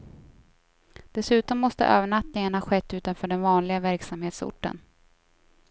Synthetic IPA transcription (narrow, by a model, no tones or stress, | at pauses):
d̪̥ɛsʉ̟ːt̪ɔmːɔst̪ə̰ʔø̰ːvəɳat̪nɪŋanhɑɧɛt̪ːʉ̟ːt̪anfœːɖɛnvɑːnlɪɡavæɾksamheːt̪sʊ̰ʈːə̰n